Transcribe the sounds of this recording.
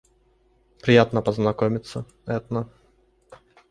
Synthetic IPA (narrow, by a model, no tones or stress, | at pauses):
pɾʲɪjat̪nəpəznɐkomʲɪt̪sːə | ɛt̪nə